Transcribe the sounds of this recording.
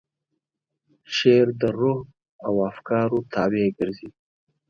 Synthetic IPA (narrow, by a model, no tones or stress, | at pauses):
ʃeɾd̪əɾuh | awafkɑɾot̪ʰɑweɡəɾzi